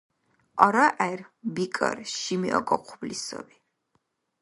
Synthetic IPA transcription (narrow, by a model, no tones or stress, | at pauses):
ɔɾaʔɛɾbikʼə̰ɾʃimiʔɔkʼɔqʰublisɔ̰bi